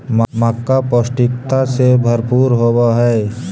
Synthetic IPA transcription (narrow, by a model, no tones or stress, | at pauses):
məməkːaposʈɪkt̪asebʱəɾpuːɾɦowaɦɛː